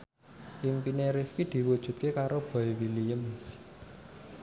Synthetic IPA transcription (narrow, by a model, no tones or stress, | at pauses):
ʔimpineɾifkid̪̥i̤wud̥ʒ̥ṳt̪̚kekaɾob̥a̤iwilijəm